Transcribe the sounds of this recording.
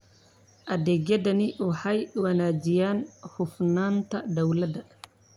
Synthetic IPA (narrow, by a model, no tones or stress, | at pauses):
ʔɐd̪ɛːɡjɐd̪ɐnɪħɐjwɐnaːd͡ʒɪjaːnhʊfnaːnt̪ʰɐd̪ɐwlɐd̪ɐ